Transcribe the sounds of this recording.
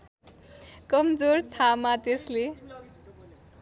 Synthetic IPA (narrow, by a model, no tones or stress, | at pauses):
kʌmd͡zort̪ʰamat̪esle